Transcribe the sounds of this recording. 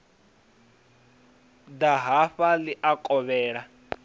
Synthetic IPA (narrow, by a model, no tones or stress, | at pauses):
daɦaɸaliʔakʼɔβɛːɺa